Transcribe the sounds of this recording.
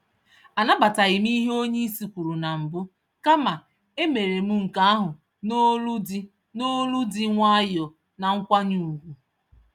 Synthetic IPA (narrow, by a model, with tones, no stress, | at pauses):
a˨na˦ba˨ta˨ɣɪ˨m˦i˦ɦe˦o˦ɲe˦i˦si˨kʷu˨ɾu˨na˨m̩˨bʊ˦ | ka˦ma˨ | e˦me˨ɾe˨m̩˦ŋ̩˨ka˦a˦ɦʊ˨ | no˦lu˦di˦ | no˦lu˦dɪ˦ŋʷa˦jɔ˨ | na˨ŋ̩˦kʷa˦ɲu˨u˨ɡʷu˨